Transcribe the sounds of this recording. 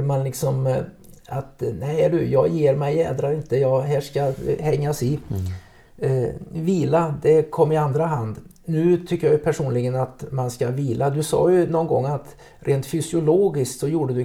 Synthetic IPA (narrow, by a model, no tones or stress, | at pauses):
manlɪksɔm | at̪nɛɪɖɵjɑːɡjeːɾmɛjɛːd̪ɾaɾɪnt̪əjɑːɦæːʂkahɛŋːasɪ | viːlad̪ɛkʰɔmːɪand̪ɾaɦand̪ | nʉ̟ːt̪ʰʏkːəjajɵpʰæʂuːnlɪɡənat̪manskaviːlad̪ɵsɑ̰ːjɵnɔnɡɔ̰ŋːat̪ | ɾʔeːnt̪fʏsɪʊloːɡɪsk̚t̪sɔjuːɖəd̪ɵ